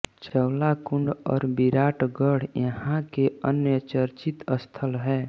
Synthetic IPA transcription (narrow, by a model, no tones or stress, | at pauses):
t͡ʃəʊlakuɳɖɔ̰ːɾbiɾaːʈɡəɽjəhãkeənjət͡ʃəɾt͡ʃit̪əst̪ʰəlɦɛː